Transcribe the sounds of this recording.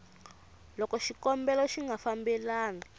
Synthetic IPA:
lɔkɔʃikɔmbɛlɔʃiŋɡʱafambɛlaːna

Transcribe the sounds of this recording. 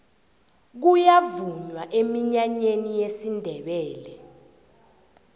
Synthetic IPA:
k̬ujavuɲwaʔemiɲaɲenijesindʱɛɓɛːlɛ

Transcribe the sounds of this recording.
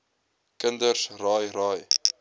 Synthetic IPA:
kəndərsrɑːjɾɑːj

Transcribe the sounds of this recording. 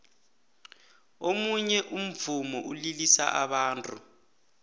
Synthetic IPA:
omuɲɛʔum̩vumɔʔulilisa̰ʔaɓaːntʼu

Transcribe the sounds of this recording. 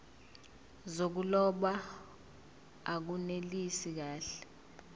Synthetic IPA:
zok̬ulɔɓa | ak̬unelisik̬aːɬɛ̥

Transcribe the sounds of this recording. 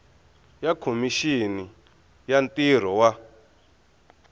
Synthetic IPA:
jakʰomiʃini | jantir̤ɔwa

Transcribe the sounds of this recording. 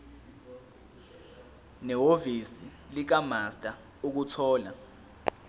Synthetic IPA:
nɛwovisi | lik̬amastʼa | uk̬utʰɔːla̰

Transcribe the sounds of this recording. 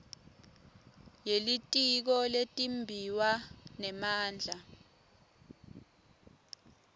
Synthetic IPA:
jelitʼik̬ɔletʼimbʱiwanɛmaːnd͡ɮʱa

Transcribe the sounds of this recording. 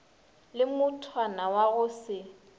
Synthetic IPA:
lɪmʊtʰwanawaɣʊsɪ

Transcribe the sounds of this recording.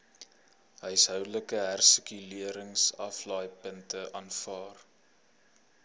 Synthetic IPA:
ɦəjsɦœwləkəɦærsəkyliəɾəŋsɐflɑːjpəntəʔɑːnfɑːr

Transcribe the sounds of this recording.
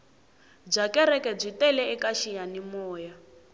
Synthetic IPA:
b͡ʐakɛɾɛkɛb͡ʐʷitɛlɛɛkaʃijanimɔːja

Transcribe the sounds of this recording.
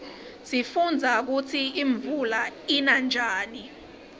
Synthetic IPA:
sifund͡zʱak̬ut͡sʰiiɱvulainand͡ʒʱaːni

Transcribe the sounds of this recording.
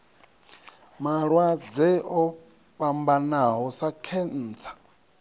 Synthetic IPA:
maɺwad͡zɛɔ | ɸambanaɦɔsakʰɛn̩ːt͡sʰḁ

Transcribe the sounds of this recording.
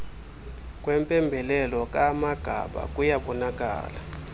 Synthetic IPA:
k̬ʼwɛmpʼɛmbʱɛlɛlɔk̬ʼamaɡ̥ʱa̰ɓa̰k̬ʼujaɓɔnak̬ʼa̰ːla

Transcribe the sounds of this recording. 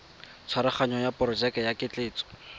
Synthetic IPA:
t͡sʰwaɾɪχaɲɔjapɔrɔd͡ʒɛkɛjakɪt͡ɬeːt͡sɔ̥

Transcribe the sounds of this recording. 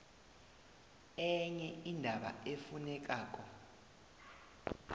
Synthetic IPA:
ɛɲɛindʱaɓa̰efunɛk̬ʼaːk̬ʼɔ

